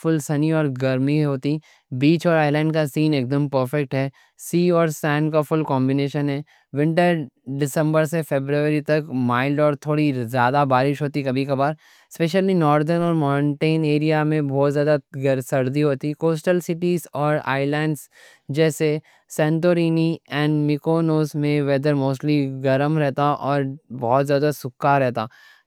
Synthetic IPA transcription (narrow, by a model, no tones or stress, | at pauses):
fʊlsɐniɔːɾɡɐɾmiɦoːt̪i | biːt͡ʃɔːɾaːɪlɛ̃ːɳɖkasiːneːk̚d̪əmpəɾfɛk̚ʈɦɛː | siːɔːɾsɛ̃ːnkafʊlkɔ̃ːmbɪneːʃənɦɛː | ʋɪ̃ɳʈəɾɖɪsə̃mbəɾsefeːbɾuəɾit̪ɐkmaːɪlɖɔːɾt̪ʰoːɽizjaːd̪abaːɾɪʃɦoːt̪ikɐbʱikabaːɾ | speːʃəlinɔːɾd̪əɾnɔːɾmɔ̃ːɳʈeːneːɾijamẽbɔːt̪zjaːd̪aɡɾsɐɾd̪iɦoːt̪ikoːsʈəlsɪʈiːzɔːɾa̰ːɪlɛ̃ːɳɖs | d͡ʒɛːse | sɛ̃ːɳʈoːɾiːniɛ̃ːɳɖmɪkoːnoːsmẽʋɛːd̪əɾmoːsʈliɡɐɾəmɾɛɦt̪aʔɔːɾbɔːɔt̪zjaːd̪asʊkːaɾɛɦt̪aː